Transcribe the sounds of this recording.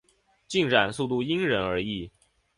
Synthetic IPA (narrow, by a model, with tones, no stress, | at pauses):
t͡ɕi˥˩ŋʈ͡ʂa˨˩nsu˥˧t̪u˥˩i˥ŋɻə˧˥nə˞˧˥i˥˩